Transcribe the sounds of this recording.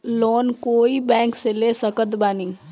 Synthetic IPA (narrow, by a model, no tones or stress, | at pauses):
loːnkoːibɛ̃ːŋkseleːsəkət̪baːnɪ̃ŋ